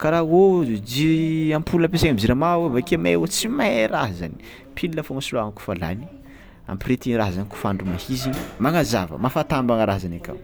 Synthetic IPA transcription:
kaɾaɦod͡ʒiiampʰulunəpesakʲamziɾamawevakemewot͡simaɾaɦza̰ni̥ | pʰilinafoŋasuluaŋku̥fala̰ni̥ | a̰mpiret̪iɾaɦzaniku̥faɳɖ͡ʐumahizinimaŋaza̰və̰mafat̪ambaŋaɾazanakʲa̰w

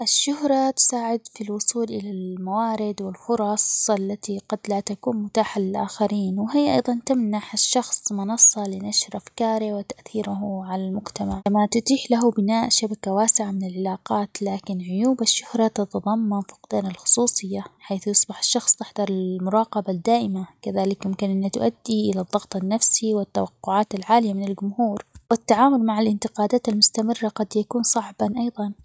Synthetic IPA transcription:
ʔaʃːʊhɾˤɑt̪ʊ̥saːʕɪd̪filwʊsˤuːlʔɪ̰lalmawaːɾɪd̪wɪlfʊɾˤɑsˤʔalːat̪iɡɑd̪lat̪akuːnmʊt̪aːħalɪlʔa̰ːxaɾiːnwɪɦiːʔɑ̰jðˤɑnt̪amnaħaʃːɑxsˤmʊnɑsˤːɑlɪnaʃɾʔafkɑːɾiwɪt̪aʔθiːɾaɦʕalalmʊɡt̪amaʕamat̪ʊt̪iːħlaɦubɪnaːʔʃabakawaːsɪʕamɪnɪlʕalaːqɑːt̪laːkɪnʕʊjuːbaʃːʊhɾˤɑt̪ɑt̪ɑðˤɑmːɑnfʊ̥qd̪aːnalxʊ̥sˤuːsˤɨjːaħajθjɪsˤbɪħḁʃːɑxsˤt̪ɪħd̪ɑɾˤɪlmʊɾˤɑːqɑbad̪ːaːʔɪmakaðaːlɪkjɪmkɪnʔɪnːat̪ʊʔad̪ːiʔɪlaðˤːɑɣt̪ˤanːafsiwɪt̪ːa̰wɑqːʊʕaːt̪alʕaːlɪjamɪnɪld͡ʒʊmhuːɾwɪt̪ːaʕaːmʊlmaʕalʔɪnt̪ɪqɑːd̪aːt̪almʊst̪amɪrːaqɑd̪jakuːnsˤɑʕbɑnʔɑjðˤɑn

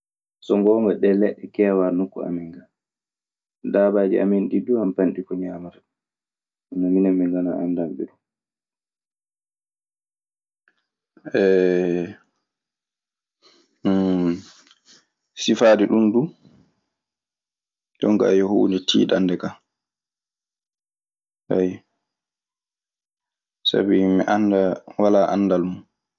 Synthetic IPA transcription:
sɔŋɡɔːŋɡɔɗɛlɛɗːɛkɛːwaɾnukːɔ̰a̰miŋɡa | daːbaːd͡ʒḭʔa̰minɗiduhampanɗikɔɲaːmat | naminɛmːiŋɡanaʔandamɓɛɗum | ʔɛ | sifaːdiɗundu | ɗɔ̰ŋɡa̰jɔhṵːnitʰḭːɗandɛka | haj | sa̰bimḭʔandawalaʔa̰ndalmun

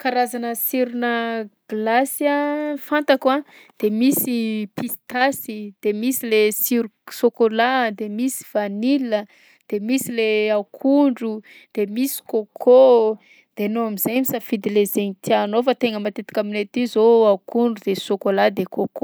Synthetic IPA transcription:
kaɾazanəsiɾunəɡ̥lasjafant̪akwa | d̪̥emisipist̪asid̪̥emisilesiɾusokolad̪emisi̥v̥anilə | d̪̥emisileaukʰuɳɖ͡ʐu | d̪̥emisi̥kokʰo | d̪̥enoamiz̥ajmisafid̪ilezeŋit̪ianofat̪eŋəmat̪et̪i̥kʲaminet̪izoaukuɳɖ͡ʐud̪̥esokolad̪ekʰoko

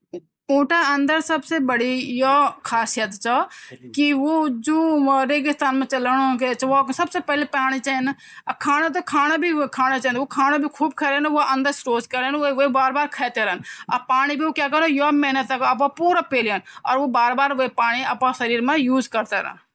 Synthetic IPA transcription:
ũːʈaɐ̃nd̪əɾsɐbsebəɽijokʰaːsijət̪t͡ʃʰəkiʋod͡ʒõːɾeːɡɪst̪aːnmẽt͡ʃɐləɽoket͡ʃʰʋsɐbsepɛlepaːɽ̃it͡ʃaːn | kʰaːñat̪̬okʰaːñabʱikʰaːñat͡ʃand̪ʋokʰaːñabʱikʰuːb̚kʰɛːɾenʋoʔɐ̃nd̪əɾsɾoːskəɾənoʋoibaːɾbaːɾkʰɛːt̪eɾəːnɐ̰paːɽ̃ibʱiokjaːkəɾnojomɛːnət̪əkɐp̬ãpuːɾapeːliənɔːɾʋobaːɾbaːɾʋoipaːɽ̃iɐpãsɐɾiːɾmãjuːd͡ʒkɐɾt̪eɾɐ̰ːn

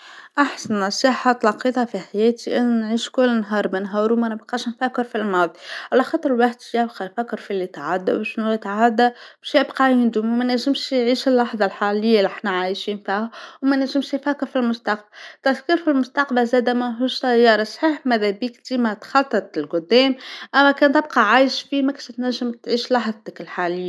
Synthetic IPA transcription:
ʔaħsanːɑsˤiːħɑt̪ˤlɑqiːt̪ˤɑfiħajæːt̪iʔɪnnʕiːʃkʊlːɪnɦɑːɾˤbɪnɦɑːɾuwmænɪbqɑːʃnfækːɪɾfilmɑðˤiʕalæxɑːt̪ˤəɾlwaħd̪ɪbqɑjfækːɪɾfilːit̪ʕad̪ːa̰wʃnujɪt̪ʕad̪ːæbʃjɪbqɑjɪnd̪ummænæʒɪmʃjʕiːʃɪlːɑħðˤɑlħaːlɪjːaliʔaħnæʕajʃiːnfihawmænæʒːɪmʃjfækːɪɾfilmʊst̪ɑq̚bat̪æt̪kiɾfilmʊst̪ɑqbæzæːd̪æmæɦuːʃsæjːɑːɾˤɑsˤħiːħmæðæbiːkd̪iːmæt̪xɑt̪ˤːɨt̪ˤɪlɡʊd̪ːɛːmʔæmːækæːnt̪ɪb̚qɑʕaːjɪʃfiːmækʃt̪næʒːɪmt̪ʕiːʃlɑħðˤt̪ɪkɪlħaːlɪjːa

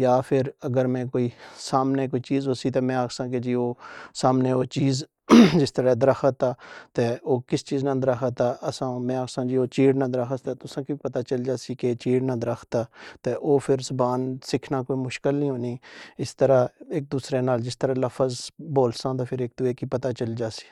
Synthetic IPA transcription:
jaːpʰɪɾəɡəɾmɛ̃ːkoːiːsaːmneːkoːiːt͡ʃiːzɦoːsiːt̪eːmɛ̃ːaːksãːked͡ʒiːoːsaːmneːoːt͡ʃiːz | d͡ʒɪst̪əɾaːd̪əɾəxʰət̪ːaːt̪eːoːkɪst͡ʃiːznãːd̪əɾəxʰət̪ːaːʔəsãːmɛ̃ːaːksãːd͡ʒiːoːt͡ʃiːɽnãːd̪ɾaxət̪aːt̪ʊsãːkiipət̪aːt͡ʃəld͡ʒaːsiːket͡ʃiːɽnaːd̪əɾəkʰt̪aːt̪eːʔoːpʰɪɾsʊbaːnsɪkʰnaːkoːiːmʊʃkɪlnĩːɦoːniːɪst̪əɾaːeːk̚d̪uːsɾeːnaːld͡ʒɪst̪əɾaːləfʰəzboːlsãːd̪aːpʰɪɾeːk̚d̪ʊeːkiːpət̪aːt͡ʃəld͡ʒaːsi̥ː

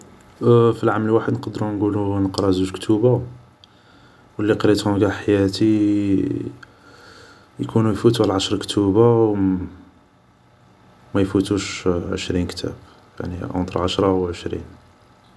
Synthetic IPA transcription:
filʕaməlwaħəd̪nqɑd̪ɾunɡulunəqɾˤɑzuʃkt̪ʰuba | wəlːiqɾit̪hũɡæħajæt̪i | jkʰunujfut̪uʕlʕaʃɾˤkt̪ʰubaw | mæjfut̪uʃʕə̰ʃɾinkt̪ʰæ̰b | ja̰ʕniʕə̰nt̪ɾˤʕaʃɾˤɑwʕəʃɾḭn

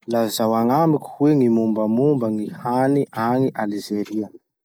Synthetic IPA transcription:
lazawaŋamiku̥hweŋimumbəmumbəŋihaniʔaŋiʔalizeɾia

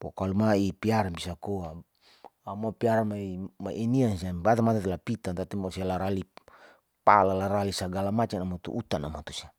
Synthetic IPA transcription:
po̰kalumaipiaɾanbisakoa | amapiaɾanmaimaʔiniansiabat̪amat̪at̪elapit̪ant̪at̪imasialaɾali | palalaɾalisaɡalamat͡ʃanamot̪ṵʔut̪ana̰mat̪usia

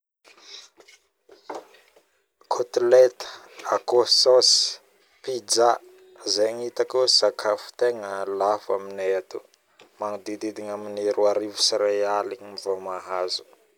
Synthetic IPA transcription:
kʰut̪let̪ə̥akosos | pid͡za | zeɲit̪akusakʰafu̥t̪eŋəlafa̰minet̪u | maŋud̪id̪id̪iɲamineɾuaɾivusiɾealiɲimivomaɦazu̥

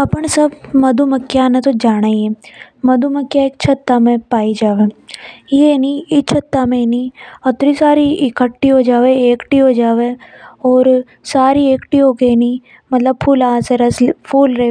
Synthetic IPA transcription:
ɐpəɳ̃sɐbmɐd̪ʱumɐkːjanẽt̪od͡ʒaːɽ̃aːiɛmɐd̪ʱumɐkːjaekt͡ʃʰət̪ːamẽpaːid͡ʒaːʋejeniɪt͡ʃʰət̪ːamẽniɐt̪ɾisaːɾiɪkəʈːiɦod͡ʒaːʋeeːkʈiɦod͡ʒaːʋeɔːɾ | saːɾieːkʈiɦoːɡeni | mɐt̪ləb̚pʰuːlaːseɾɐspʰuːlɾe

